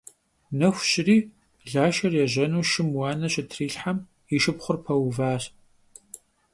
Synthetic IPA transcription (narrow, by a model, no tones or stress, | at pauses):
nɐxʷɕʼɪriː | ɮaːʃɐrjɛʑɐnuːʃɪmwɑːnɐɕɪtʰriːɬħam | iʃɪpχʷʊrpʰɐwvaːɕ